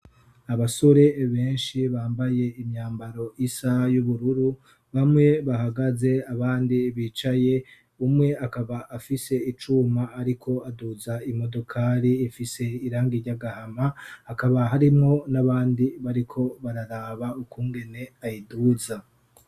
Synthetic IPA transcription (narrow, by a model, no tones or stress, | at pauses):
aβaso̞ɾe̞βe̞ːnʃiβaːmbaje̞imɲaːmbaɾo̞ʔisajuβuɾuɾu | βamŋe̞βaɦaɡaze̞aβaːndiβiːt͡ʃaje̞ | umŋe̞akaβaʔafise̞it͡ʃumaːɾikʰo̞aduzaimo̞do̞kʰaɾiːfise̞iɾaːŋɡiɾɟaɡahamahːkaβaɦaɾimŋo̞naβaːndiβaɾikʰo̞βaɾaɾaːβaukʰuːŋɡe̞ne̞ajiduːza